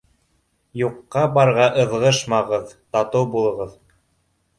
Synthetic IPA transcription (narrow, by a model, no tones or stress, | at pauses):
juqːɑbɑɾʁɑʔɤ̆ðʁɤʃmɑʁɤðt̪ɑt̪ɤwbulˠɤ̆ʁɤð